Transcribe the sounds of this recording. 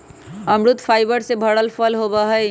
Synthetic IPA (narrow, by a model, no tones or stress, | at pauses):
əmɾut̪pʰajbəɾsebʱəɽəlpʰəlɦobəɦə